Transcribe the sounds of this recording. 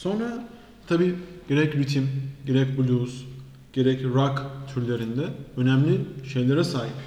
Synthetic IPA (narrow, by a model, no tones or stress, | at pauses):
so̞nɾa | t̪ʰabiːɟ̥e̞ɾɛcɾyt̪ʰimɟe̞ɾɛcbulʲus | ɟ̥e̞ɾɛcɾakt̪ʰyɾlʲe̞ɾind̪ɛø̞næmlʲiʃe̞jlʲeɾɛsaːɦip